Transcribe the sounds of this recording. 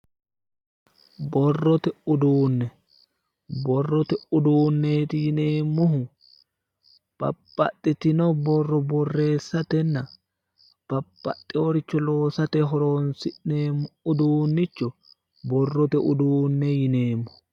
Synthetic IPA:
bɔrːɔt̪ɛʊd̪uːnːɛ | bɔrːɔt̪ɛʊd̪uːnːeːt̪ɪjɪneːmːʊɦʊ | b̥ɐ̰pːɐ̰t̪ʼːɪt̪ɪnɔbɔrːɔbɔrːe̞ːsːɐt̪ɛnːɐ | b̥ɐpʼːɐt̪ʼːɪɔɾɪt͡ʃːɔlo̞ːsɐt̪ɛɦɔɾoːnsɪʔeːmːʊʊd̪uːnːɪt͡ʃːɔ | bɔrːɔt̪ɛʊd̪uːnːɛjɪne̞ːmːʊ̥

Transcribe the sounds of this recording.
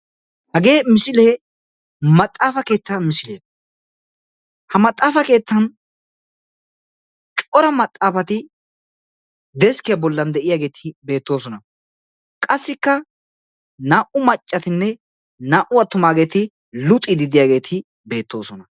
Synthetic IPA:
hɐɡe̞ːmɪsɪle | mɐt̪ʼːaːfɐke̞ːt̪ːɐmɪsɪleː | hɐmɐt̪ʼːaːfɐke̞ːt̪ːɐn | t͡ʃʼɔɾɐmɐt̪ʼːaːfɐt̪ɪ | d̪ɛskɪjɐbɔlːɐnd̪ɛʔɪjaːɡe̞ːt̪ʰɪbe̞ːt̪ːo̞ːsɔnɐ | kʼɐsːɪkːɐ | naːʔʊmɐt͡ʃʼːɐt̪ɪnːɛ | naːʔʊɐt̪ːʊmaːɡe̞ːt̪ɪ | lʊt̪ʼːɪd̪ɪd̪ɪjaːɡe̞ːt̪ʰɪ | be̞ːt̪ːo̞ːsɔnɐ

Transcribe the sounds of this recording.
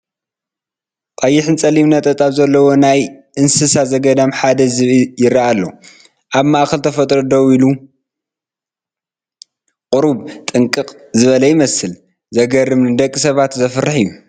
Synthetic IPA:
t̪ʼɐjːɪħɨnt͡sʼɐlimnɐt̪ʼɐt̪ʼaβzɐlːɐwo̞najʔɨnsɨsazɐɡɐd̪amħad̪ɐzɨβjɪɾaʔalːo̰ | ʔaβmaʔkʰɐlt̪ʰɐfɐt̪ʼɾod̪owilu | qʼʊɾuβt̪ʼɨŋkʼɨqʼ | zɨβɐlɐjɪmɐsɨl | zɐɡɐrɨmnɨd̪ɐkʼːisɐβat̪zɐfɨrːɨħiju

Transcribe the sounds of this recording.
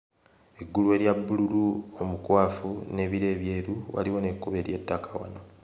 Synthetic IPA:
e̞ɡːuluwe̞ːɾjabːululuo̞mukwaːfune̞ːβiɾe̞ːβje̞ːɾuwa̰liwo̞nekːuβe̞ːɾje̞tːakawa̰no

